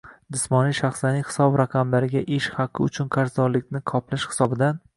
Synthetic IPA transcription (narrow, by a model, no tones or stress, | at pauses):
d̪ɪsmɒnijʃaχslanɪhɪ̥sɒbɾaqʰɑmlaɾɪɡʲaʔeʃhɑqːɨʊ̰t͡ʃʰʊnqʰaɾzɒɾlɪk̚ʲnɪqʰɒplɪʃhɪ̥sɒbɪd̪an